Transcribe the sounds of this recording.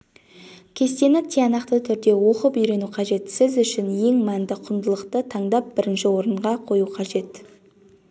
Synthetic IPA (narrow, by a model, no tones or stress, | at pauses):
kʲʰe̞st̪e̞nɪt̪ʲʰijɑnɑqt̪ət̪ʰʏɾd̪e̞wo̞qəpijɾe̞nuqʰɑʒe̞t̪sɪzʏʃɪnje̞ŋmænd̪ɪqʰʊnd̪əlˠəqt̪ət̪ʰɑɴd̪ɑp̚bɪɾɪnʃɪwo̞ɾəɴʁɑqʰo̞juqʰɑʒe̞t̪